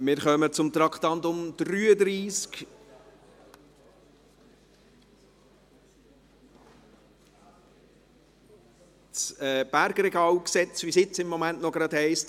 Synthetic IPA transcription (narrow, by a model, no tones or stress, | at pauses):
mɪːɾχœmət͡sʊmt̪ɾɑkχt̪ɑnt̪ʊmd̪̥ɾyːəd̪ɾiːsk | t͡sɛb̥æɾɡɾɛɡɑːwksɛt͡sʋisɪt͡sɪmːɔmæntnɔɡɾɑdhɛɪst